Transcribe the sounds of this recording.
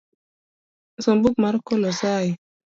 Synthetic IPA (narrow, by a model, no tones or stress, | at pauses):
sɔmbuk̚maɾkolosaji